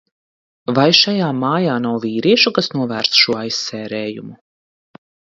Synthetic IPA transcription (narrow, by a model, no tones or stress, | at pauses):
vajʃajaːmaːjaːnawviːɾiɛʃukasnuɔvæːɾsʃuɔajsːɛːɾɛːjṵmu